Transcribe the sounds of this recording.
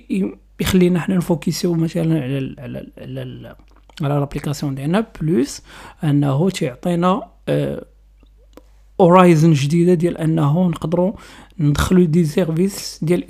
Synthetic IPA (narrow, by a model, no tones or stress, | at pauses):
jxælːinħnænfukisimæt̪ælənʕlʕl̰ʕlæ | ʕlælæplikɑsjɔ̃d̪jælnæblusʔənːəɦut̪joʕt̪ˤinæ | ʔoɾijzənʒd̪id̪ad̪jælʔənːɦunəqd̪əɾunəd̪xəlud̪izɛɾvisd̪jælʔ